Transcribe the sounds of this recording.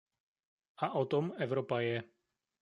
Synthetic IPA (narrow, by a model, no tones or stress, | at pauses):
aʔɔt̪ɔmɛvɾɔpajɛ